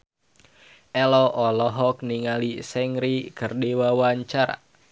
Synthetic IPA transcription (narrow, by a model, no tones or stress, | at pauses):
ɛlɔʔɔlɔɦɔk̚niŋalisɛŋɾikɨrdiwawaɲt͡ʃaɾa̰